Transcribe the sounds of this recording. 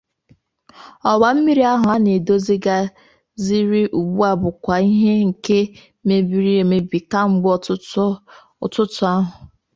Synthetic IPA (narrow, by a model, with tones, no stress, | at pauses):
ɔ˨wa˨m̩˦mi˦ɾi˦a˦ɦʊ˨a˦ne˨do˦zi˦ɡa˦ | zi˦ɾi˦ʔu˨ɡ͡bu˦a˨bʊ˨kʷa˨i˦ɦe˦ŋ̩˨ke˦ | me˨bi˨˦ɾi˦e˨me˨bi˨ka˦ŋ͡m̩˦ɡ͡b | tʊ˦tʊ˨˦a˦ɦʊ˨